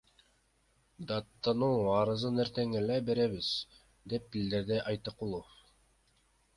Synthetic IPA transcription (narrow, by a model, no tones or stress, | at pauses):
d̪ɑt̪ːɑnuɑɾɯzɯneɾt̪eŋelebeɾeβiz̥ | d̪ep̚bild̪ɘɾd̪ɘʔɑjt̪ɯqulˠof